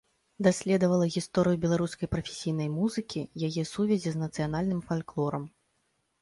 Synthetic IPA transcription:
d̪asʲlʲɛd̪ɐvɐlˠɐɣʲist̪ɔɾɨjubʲɛlˠaɾuskɐjpɾɐfʲe̥sʲijnɐjmuzɨkʲijajɛsuvʲɛzʲiznɐt̪sɨjanalʲnɨmfalʲklˠɔɾɐm

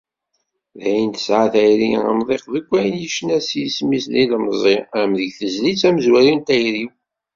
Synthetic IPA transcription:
ðæjənt̪ə̥sʕaθæjɾiə̰mðˤeqðəɡʷːæjənjəʃənæsismisliləmzˤeæmðəʝθəzlit͡sæməzwæɾint̪æjɾi

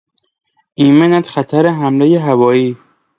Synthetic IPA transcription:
ʔiːmenæt̪xæt̪ʰæɾeɦæmlejeɦævɒːiː

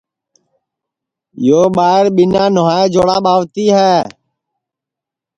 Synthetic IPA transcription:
joːɓaːɪɾɓɪnãːnʊɦaːeːd͡ʒoːɽaːɓaːʋt̪iːɦɛː

